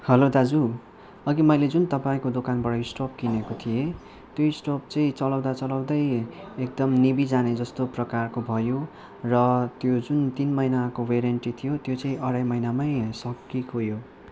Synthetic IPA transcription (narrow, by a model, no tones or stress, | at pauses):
hʌlod̪ad͡zu | ʌɡimʌjled͡zunt̪ʌpaĩkod̪okanbʌɽʌisʈop̚kinekot̪ʰije | t̪joisʈop̚t͡sʌĩt͡sʌlawd̪at͡sʌlʌw̃d̪ʌjek̚d̪ʌmnibid͡zaned͡zʌst̪oprʌkarkobʱʌjo | rʌt̪jod͡zunt̪inmʌjnakoweɾenʈit̪ʰijot̪jot͡sʌĩʔʌɽajmʌjnamaj̃sʌkːikʰojo